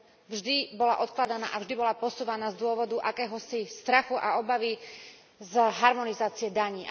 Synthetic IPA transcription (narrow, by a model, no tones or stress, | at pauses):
vʒd̪ibɔlaʔɔt̪klad̪ana̰ːʔavʒd̪ibɔlapɔsuːʋanaːzd̪ʊɔʋɔd̪uʔakɛːɦɔsist̪ɾaxuʔaɔbaʋi | zɦaɾmɔnizaːt͡siɛd̪aɲiː